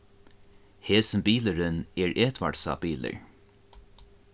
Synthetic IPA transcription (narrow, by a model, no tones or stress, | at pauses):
heːsʏmbiːləɹʏnɛɹʔeːt̪ʋa̰ɽsa̰biːlə̰ɹ